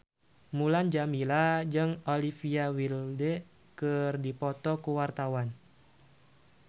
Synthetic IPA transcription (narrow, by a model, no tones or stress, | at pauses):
muland͡ʒamilad͡ʒɨŋolifiawildɛ | kərdipɔt̪ɔkuwart̪awan